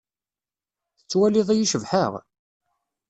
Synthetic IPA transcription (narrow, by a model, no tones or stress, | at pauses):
θət͡sːwæliðˤæjiʃəvħəʁ